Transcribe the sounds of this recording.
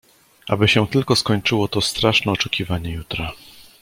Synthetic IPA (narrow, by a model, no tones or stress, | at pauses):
ʔa̰bɘɕɛ̃t̪ɘlkɔskɔɲt͡ʂɘwɔt̪ɔst̪ɾaʂnɛɔt͡ʂɛkʲivaɲɛjut̪ɾa